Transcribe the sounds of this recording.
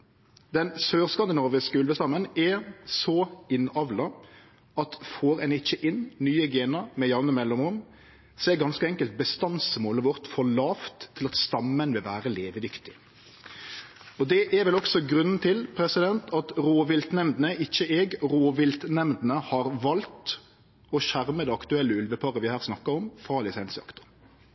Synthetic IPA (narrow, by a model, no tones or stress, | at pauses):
d̪ɛnsøːɾskɑnd̪ɪnɔɾʋɪskʉlbəst̪ɑmːənɛsɔɪnɑʋlɑ | ɑt̪foːɾɛnɪçːəʔɪnnyːəɡeːnɑmɛjɑnːəmɛlːɔmʁʊm | seːɡɑnskəɛŋkəlt̪̚bəst̪ɑnsmoːləʋɔʁt̪fɔɭɑːft̪ʰːɪlɑt̪st̪ɑmːənʋɪlʋæːɾəleːʋəd̪ʏkt̪ɪ̥ | ɔd̪ɛʔɛɾʋɛlɔksɔɡɾʉnːn̩t̪ʰɪlpʰɾɛsɪd̪ɛnt̪ɑt̪ɾoːʋɪlt̪nɛmd̪nəʔɪçːəʔɛːɡɾoːʋɪlt̪nɛmd̪nəhɑɾʋɑlt̪ | ɔʃæʁməd̪ɛɑkt̪ʉɛlːəʉlʋəpʰɑɾəʋɪhæːʁsnɑkːəɾɔmfɾɑːlɪsɛnsɪɑ̰kt̪ʊ̥m